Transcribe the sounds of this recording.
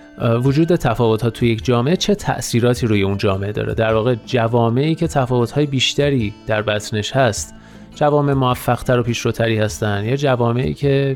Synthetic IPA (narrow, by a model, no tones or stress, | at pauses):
vod͡ʒuːd̪et̪ʰæfɒːvo̞t̪hɒːt̪ʰujecʰd͡ʒɒːmeʔet͡ʃʰe̞t̪ʰæ̰ʔsiːɾɒːt̪ʰiːɾuːje̞und͡ʒɒːme̞ʔed̪ɒ̰ːɾḛd̪æɾvɒːɣe̞d͡ʒævɒːme̞ʔiːcʰe̞t̪ʰæfɒːvo̞t̪ʰhɒːje̞biːʃt̪æɾiːd̪̥æɾbæt̪ʰne̞ʃhæst̪ | d͡ʒævɒːme̞ʔmoæfːæɣ̥t̪ʰæɾo̞pʰiːʃɾot̪ʰæɾiːhæst̪ænd̪jɒːd͡ʒævɒːme̞ʔḭːcʰe̞